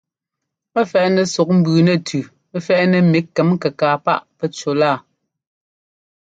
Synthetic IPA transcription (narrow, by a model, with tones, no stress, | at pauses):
ɛ˦fɛ˨ʔnɛ˨sɔ˨k̚m̩˦bʉː˨nɛ˦˨tʰʉ˨ | ɛ˦fɛ˦ʔnɛ˨mi˨˦ɛ˨˦m˦kɛ˨kaː˨pa̰˦˨ʔpɛ˦t͡ʃo˨laː˦˨